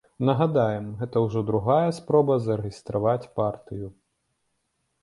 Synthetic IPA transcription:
nɐɣad̪ajɛmɣɛt̪ɐwʐɔd̪ɾuɣajɐspɾɔbɐzɐɾeɣʲist̪ɾavat͡sʲpart̪ɨju

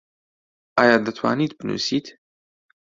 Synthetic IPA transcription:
ʔaːjaːd̪ɨt̪ʰwa̰ːniːt̪̚bɨnṵːsiːt̪

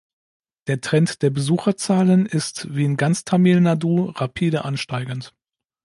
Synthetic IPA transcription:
d̥eːɐtʁ̥ɛntd̥eːɐbəzuːxɐt͡saːlənɪstv̥iːnɡant͡stʰamiːlnaduːʁapʰiːdəʔanʃtaɪɡənt

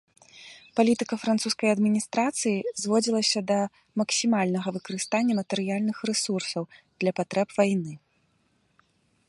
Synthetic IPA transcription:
palʲit̪ɨkɐfɾant̪suskɐjɐd̪mʲinʲist̪ɾat̪sɨjizvɔd͡zʲilˠɐsʲɐd̪ɐ | mɐksʲimalʲnɐɣɐvɨkɐɾɨst̪anʲːɐmɐt̪ɛɾɨjalʲnɨxrɛsursɐwd̪̥lʲɐpat̪ɾɛpvajnɨ

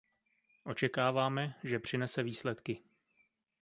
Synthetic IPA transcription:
ʔo̞t͡ʃɛkaːvaːmɛʒɛpr̝̥ɪnɛsɛviːslɛt̪kɪ

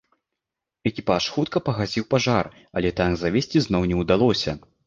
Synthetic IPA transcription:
ɛkʲipaʂxut̪kɐpɐɣad͡zʲiwpaʐar | ɐlʲɛt̪aɡzavʲesʲt͡sʲiznɔwnʲɛwd̪alˠɔsʲɐ̰

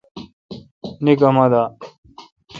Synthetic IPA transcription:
nikɐmɐd̪aː

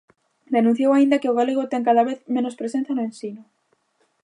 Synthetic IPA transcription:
d̪enũ̟θjowaind̪akeoɣaleɣ̞ot̪eŋkaðaβeθmẽnospɾesẽn̟θjanoẽnsino

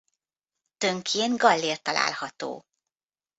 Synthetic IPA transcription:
t̪øŋkʰeːnɡɒlːeːrt̪ɒla̰ːlhɒt̪o̰ː

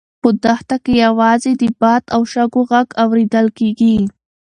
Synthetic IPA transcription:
pəd̪axt̪akejawɑzed̪əbɑt̪awʃaɡoɣaɡawɾed̪əlkeɡi

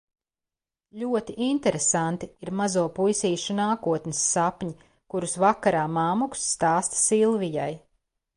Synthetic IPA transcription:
ʎʲuɔt̪iʔint̪ɛɾesant̪iiɾmazuɔpujsiːʃunaːkuɔt̪nʲɪsːapɲi | kuɾusvakaɾaːmaːmuksːt̪aːst̪silˠvijaj

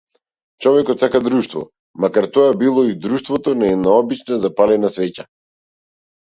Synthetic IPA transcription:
t͡ʃɔvɛkɔt̪sakad̪ɾuʃt̪vɔ̰ | makaɾt̪ɔabilˠɔid̪ɾuʃt̪vɔt̪ɔnaɛd̪naɔbit͡ʃnazapalɛnasvɛca

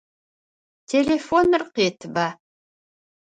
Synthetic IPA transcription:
tʲʰelʲefonɨrqet̪ʰba

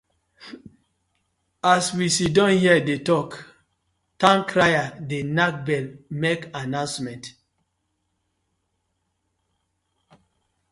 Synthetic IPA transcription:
aswisidɔ̃nhiədetɔk | tãŋkʰɹajadenak̚bɛlmekanãnsmɛ̃nt

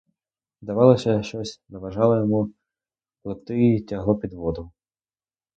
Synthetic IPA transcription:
d̪ɐʋɑlˠɔsʲɐʃt͡ʃɔsʲnɐʋɐʒɑlˠɐjɔmu | plˠɔt̪ɪjitʲɐɦlˠɔpʲid̪ʋɔd̪ʊ

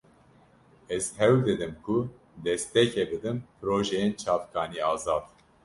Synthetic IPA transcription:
ɛzhɛwd̪ɨd̪ɨmkʰu | d̪ɛst̪ɛcʰɛbɨd̪ɨmpʰɨɾoːʒɛjent͡ʃʰɑːvkʰɑːniːɑːzɑːd̪̥

